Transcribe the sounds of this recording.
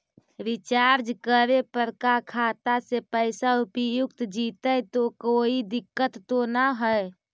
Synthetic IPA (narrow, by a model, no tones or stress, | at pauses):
ɾit͡ʃaɾd͡ʒkəɾepəɾkakʰat̪asepəɪsaupəjukt̪d͡ʒit̪əjt̪okoid̪ikːət̪ːonaɦəj